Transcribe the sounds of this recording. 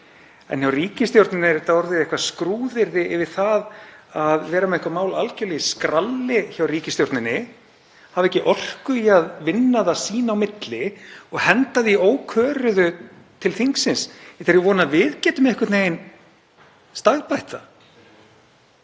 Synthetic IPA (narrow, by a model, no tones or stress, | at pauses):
ɛ̰nçjawriːcɪst̪jowɾt̪nɪnɪɾθaɔɾðɪðɛhkvaskɾuːðɪɾðɪɪvɪɾ̥θaðaðvɛːɾamɛɛhkvamaːwlalcœlijskɾalːɪçawriːcɪst̪jowɾt̪nɪnːɪ | havɛhcːɪʔɔr̥kʏiaðvɪnːaðasiːnaːwmɪt̪lɪɔɣhɛnt̪aðɪioːwkʰœːɾʏðʏ | t̪ʰɪlθiŋksɪnsɛt̪ʰɛɾjɪvɔːnavɪðcɛːt̪ʏmɛhkɪt̪neːjɪn | st̪aɣpajht̪a